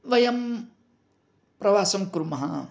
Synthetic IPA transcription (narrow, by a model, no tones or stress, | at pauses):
ʋɐjɐm | pɾɐʋaːsɐmkɾumɐɦa̰